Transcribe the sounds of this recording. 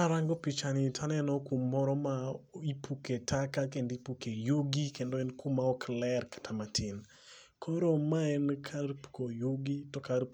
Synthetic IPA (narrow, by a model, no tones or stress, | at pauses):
aɾaŋɡɔpit͡ʃanɪtʰanɛnɔkumɔɾɔmaipuketʰakakɛndipukejuɡikendɔɛnkumaɔklɛɾkḁtʰamatʰin | kʰɔɾomaɛnkʰaɾpu̥kojuɡitɔkaɾ